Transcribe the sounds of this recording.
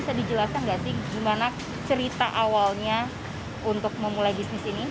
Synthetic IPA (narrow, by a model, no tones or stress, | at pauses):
sadid͡ʒəlasaŋɡasɪhɡimana | t͡ʃəɾit̪aʔawalɲa | unt̪ʊk̚məmulajbisnɪsini